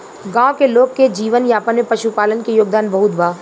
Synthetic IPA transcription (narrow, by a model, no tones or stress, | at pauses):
ɡãːõkeloːɡ̚ked͡ʒiːʋənjaːpənmẽpɐʃupaːlənkejoːɡ̚d̪aːnbɐɦʊt̪baː